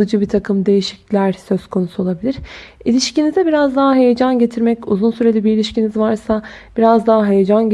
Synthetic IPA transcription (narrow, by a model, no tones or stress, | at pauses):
ɯd͡ʒɯbit̪ʰakʰɯmd̪e̞jiʃi̥clʲæɾsø̞zkʰo̞nusuo̞lˠabilʲiɾ̥ | ilʲiʃcinizɛbiɾazd̪aɦaɦe̞jed͡ʒanɟe̞t̪ʰiɾmɛcuzunsyɾe̞lʲɛbiilʲiʃcinizvaɾsab̥iɾazd̪aɦaɦejed͡ʒan